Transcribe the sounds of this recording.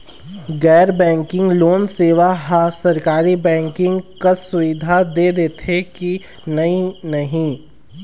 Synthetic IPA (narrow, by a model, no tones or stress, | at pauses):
ɡɛːɾbɛ̃ːŋkɪ̃ŋɡloːnseːʋaɦasɐɾkaːɾibɛ̃ːŋkɪ̃ŋɡkɐsʊʋɪd̪ʱad̪eːd̪eːt̪ʰeki | nɐinɐɦĩ